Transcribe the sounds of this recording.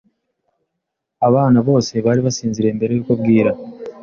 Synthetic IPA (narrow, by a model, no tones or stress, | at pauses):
aβaːnaβo̞ːse̞βaːɾiβasiːnziɾe̞mbe̞ɾe̞jukub̚ɡiːɾa